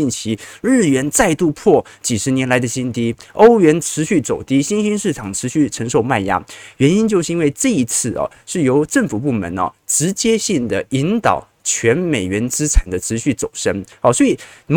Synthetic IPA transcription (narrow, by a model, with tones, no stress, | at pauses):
i˥˩nt͡ɕʰi˧˥ɻ̩˥˩ɥɛ˧˥nt͡sa˥˧ɪt̪u˥˧pʰwɔ˥˩ | t͡ɕi˨˩ʂɻ̩˧˥njɛ˧˥nla˧˥ɪd̪ə˧ɕi˥nt̪i˥o˥ʊɥɛ˧˥nʈ͡ʂʰɻ̩˧˥ɕy˥˩t͡so˨˩ʊt̪i˥ɕi˥nɕi˥nʂɻ̩˥˩ʈ͡ʂʰɑ˨˩ŋʈ͡ʂʰɻ̩˧˥ɕy˥˩ʈ͡ʂʰə˧˥ŋʂo˧ʊma˥˩nja̰˥ɥɛ˧˥ni˥nt͡ɕjo˥˧ʊʂɻ̩˥˧i˥nwe˥˧ɪʈ͡ʂɤ˥˩i˧˥t͡sʰɹ̩˥˩ɐ̰˩ | ʂɻ̩˥˩jo˧˥ʊʈ͡ʂə˥˩ŋfu˨˩pu˥˩mə̰˧˥nɐ̰˧ʈ͡ʂɻ̩˧˥t͡ɕjɛ˥ɕi˥˩ŋd̪ə˩i˧˥nt̪ɑ̰˨˩ʊ | t͡ɕʰɥɛ˧˥nme˨˩ɪɥɛ˧˥nt͡sɹ̩˥ʈ͡ʂʰa˨˩nd̪ə˦ʈ͡ʂʰɻ̩˧˥ɕy˥˩t͡so˨˩ʊʂə˥ŋɑ˧swɔ˧˥i˨˩m